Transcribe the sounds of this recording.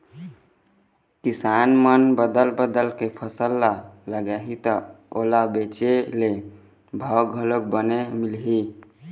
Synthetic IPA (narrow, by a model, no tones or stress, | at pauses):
kisanmənbəd̪əlbəd̪əlkepʰəsəlːaləɡɛɦit̪əo̰labet͡ʃele | bʱɔɡʱələk̚bənemilɦi